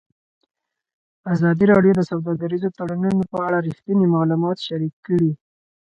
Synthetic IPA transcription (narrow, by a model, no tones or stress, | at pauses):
azɑd̪iɾɑɖjod̪əsawd̪ɑɡaɾizot̪aɽanunopəaɽaɾixt̪ənimɑlumɑt̪ʃaɾikːəɽi